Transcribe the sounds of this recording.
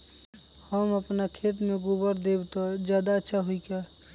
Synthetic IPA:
həməpnakʰeːt̪mẽɡʊbəɾd̪ebt̪od͡ʒjaːd̪aətːʃʰaɦuika

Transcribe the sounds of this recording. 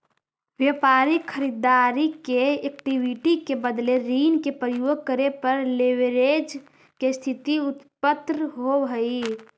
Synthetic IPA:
ʋjəpaːɾɪkʰːəɾid̪aːɾikeek̚ʈiwiʈikebəd̪leɾiːnkepɾəjoːɡ̚kəɾepəɾleʋeɾed͡ʒ | kest̪ʰɪt̪iʊt̪pət̪ɾɦoɦəi

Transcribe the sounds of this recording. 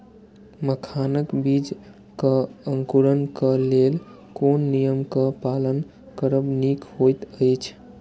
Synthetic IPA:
məkʰanəkbid͡ʒ | kəəŋkuɾənkəlel | konːijəmkəpalən | kəɾəbnikɦojt̪əjt͡ʃʰ

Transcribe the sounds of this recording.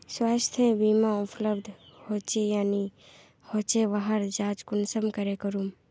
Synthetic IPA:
swast̪ʰẽbiːmaʊpləbd̪ʱhot͡ʃejaːni | hoːt͡ʃeʋaɦəɾd͡ʒaːt͡ʃkʊnsəmkəɾekəɾum

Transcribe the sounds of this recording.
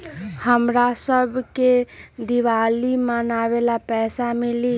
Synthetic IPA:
həmɾasəbʱked̪iʋalimənaβelapɛsamili

